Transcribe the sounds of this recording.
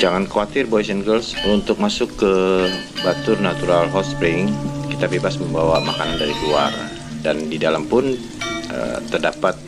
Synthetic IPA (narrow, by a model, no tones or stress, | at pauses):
d͡ʒaŋankawat̪ɪrbojsənɡəlsunt̪ʊk̚masʊkːə | bat̪ʊrnat̪uɾalɦɔt̪spɾiŋɪŋkit̪abebasməmbawamakanandaɾikua̰r | dandidalampʊn | ə̰t̪ːərdapat̪̚